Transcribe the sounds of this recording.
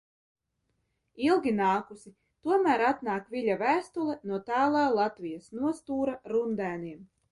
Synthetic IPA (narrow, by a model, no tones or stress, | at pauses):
ilˠɡʲinaːkusi | t̪uɔmæːɾat̪naːkviʎʲavæːst̪ulˠɛnuɔt̪aːlˠaːlˠat̪vʲijasnuɔst̪uːɾaɾund̪æːniɛm